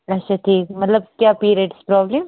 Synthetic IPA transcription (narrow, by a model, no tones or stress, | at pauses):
ɐtːʃʰaʈʰiːkmɐt̪ləb̚kjaːpiːɾeːʈspɾɔːblem